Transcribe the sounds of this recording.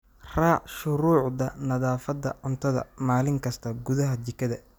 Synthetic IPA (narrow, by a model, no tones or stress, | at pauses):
raːʕʃʊɾuːʕdɐnɐðaːfɐd̪ɐ̰ʕʊnt̪ʰɐðɐ̰maːlɪŋkʰɐst̪ʰɐɡʊðɐɦɐt͡ʃɪkʰːɐðɐ